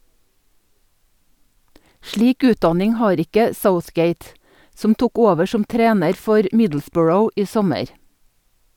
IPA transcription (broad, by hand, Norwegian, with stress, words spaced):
ˈʃɭiːk ˈʉːtˌdɑnɪŋ ˈhɑːɾ ˈɪkə ˈsəʊθˌɡeɪt ˈsɔm ˈtʊk ˈoːʋə ˈʃɔm ˈtɾeːnəɾ ˈfɔɾ ˈmɪdl̩ˌsbɔɹəʊ ˈiː ˈsɔməɾ